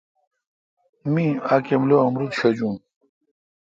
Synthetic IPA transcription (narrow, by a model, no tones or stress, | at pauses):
mĩakemloɐmɾut̪ɕɐd͡ʑũm